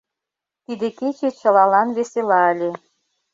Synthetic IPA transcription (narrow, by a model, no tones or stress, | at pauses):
t̪id̪eket͡ɕet͡ɕə̆lɑlɑnβeselɑəlʲe